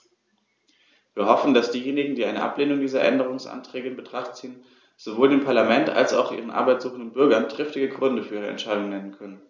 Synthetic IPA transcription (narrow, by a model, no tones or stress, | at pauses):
viːɐhɔfn̩dasd̥iːjeːnɪɡŋ̩diːʔaɪnəʔa̰pleːnʊŋdiːzɐʔɛ̰ndəʁ̞ʊŋsʔa̰ntʁ̥ɛːɡəɪnbətʁ̥aχtt͡siːən | z̥ovoːldeːmpʰaɐlamɛnta̰lsa̰ʊxʔḭːʁənʔa̰ɐbaɪtz̥uːχn̩dənbʏɐɡɐndʁ̥ɪftɪɡəɡʁʏndəfyːɐiːʁəɛ̰ntʃaɪdʊŋnɛnənkʰœnən